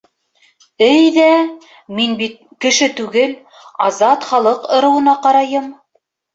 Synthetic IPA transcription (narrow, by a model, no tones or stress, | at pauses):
ɘjðæ | minbit̪̚kɘ̆ʃɘt̪ʉɡɘl | ɑzɑt̪χɑlˠɤqŏɾɤ̆wɤ̆nɑqɑɾɑjɤm